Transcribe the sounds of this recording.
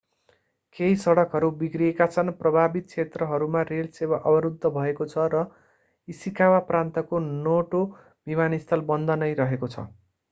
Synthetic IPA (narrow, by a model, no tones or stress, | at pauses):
keɦjsʌɽʌkɦʌɾubikriekat͡sʰʌnprʌbʱabit̪̚kʰet̪rʌɦʌɾumarelsewaʔʌbʌɾud̪ʱːʌbʱʌekot͡sʰʌɾʌ | isikawaprant̪ʌkonoʈo | bimanist̪ʰʌlbʌnd̪ʱʌnʌjɾʌɦekot͡sʰʌ̰